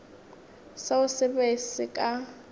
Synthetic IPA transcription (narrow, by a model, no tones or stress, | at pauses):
saʊsɛbesɪkʼa